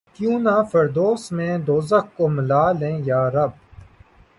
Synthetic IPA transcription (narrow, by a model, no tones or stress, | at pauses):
kjũːnaːfɐɾd̪oːsmẽːd̪oːzəkkoːməlaːlẽːjaːɾɐb̚